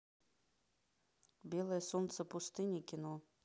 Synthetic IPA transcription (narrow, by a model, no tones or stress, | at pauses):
bʲelˠəjəsont̪səpust̪ɨnʲikʲino